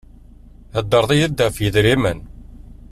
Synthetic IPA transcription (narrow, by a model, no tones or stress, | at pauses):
æd̪ːəɾˤðˤijəd̪ːæfjəðɾimən